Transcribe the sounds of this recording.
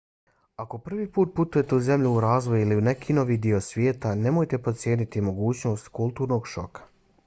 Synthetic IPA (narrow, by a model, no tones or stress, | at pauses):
ako̞pr̩ʋiːpuːt̪̚put̪uje̞t̪euze̞mʎuuɾaːzʋo̞juiliune̞kʰino̞ʋiːd̪io̞sʋje̞ːt̪ane̞moːjt̪e̞pot̪sje̞ːnit̪imo̞ɡuːt͡ɕno̞ːst̪kulˠt̪uːɾno̞ɡʃo̞̰kḁ